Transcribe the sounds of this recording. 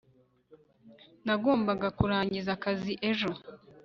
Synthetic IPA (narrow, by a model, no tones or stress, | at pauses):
naɡo̞ːmbaɡakuɾaːɲɟizakaziʔe̞ʒo̞